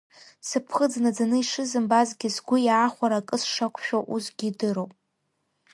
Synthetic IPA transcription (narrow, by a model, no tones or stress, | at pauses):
sɨpʰχəd͡znad͡zanɨiʂɨzɨmbazɡʲɪzɡʷʊjaːχʷaɾakʼɨsʂakʷʰʃᶣaʔusɡʲidɨɾowpʼ